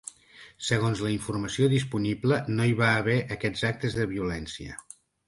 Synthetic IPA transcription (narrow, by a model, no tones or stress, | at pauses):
səɣ̞onzləiɱfurməsioðispuniblənoiβaːβɛʔəkɛd͡zak̚t̪əzðəβiulɛnsiə̰